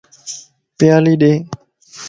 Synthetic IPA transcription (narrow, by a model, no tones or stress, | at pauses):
pjaːliːɗeː